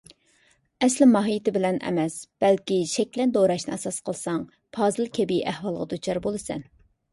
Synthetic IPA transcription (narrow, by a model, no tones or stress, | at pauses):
ɛslɪmɑɦijːt̪ɪbɪlɛnʔɛ̰mɛsb̥ɛlkʲiʃɛkʲlɛnd̪oɾɑʃnɨɛsɑsqʰəlˠɨsɑŋ | pʰɑːzɨlˠkʲʰebiʔæhwɑlˠəʁəd̪ut͡ʃʰɑɾbolˠɨsɛ̰n